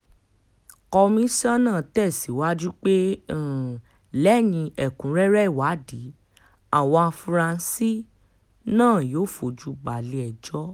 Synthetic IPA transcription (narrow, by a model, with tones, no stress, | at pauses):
kɔ˧mĩ˦sã˦nãː˦˨tɛ˦˨si˨˦wa˦d͡ʒu˦k͡pẽ˦˨ | lɛ˦jĩ˧ɛ˨kũ˨˦ɾɛ˦ɾɛ˦i˦˨wa˨˦di˨˦ | a˨wɔ̃˧fɾã˧nsi˦ | nãː˦˨joː˨˦˨fo˨d͡ʒu˨˦ɡ͡ba˨le˨˦ɛ˨d͡ʒɔ˦